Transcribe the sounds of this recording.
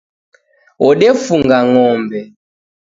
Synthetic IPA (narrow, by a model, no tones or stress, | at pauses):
ɔɗɛfuŋɡaŋɔmbɛ